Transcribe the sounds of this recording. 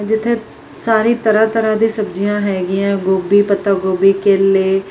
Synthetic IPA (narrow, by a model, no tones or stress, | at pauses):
d͡ʒɪt̪ʰːẽː | saːɾiːt̪əɾaːt̪əɾãːd̪ĩːsəbd͡ʒijãːɦɛːɡɪãːɡoːbiːpət̪aːɡoːbiːkeleː